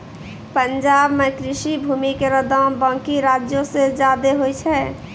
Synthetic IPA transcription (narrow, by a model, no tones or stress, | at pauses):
pənd͡ʒaːbmekɾɪʃibʱuːmikeɾəd̪ə̃bə̃ːkiɾad͡ʒjõsed͡ʒaːd̪eɦojt͡ʃʰɛ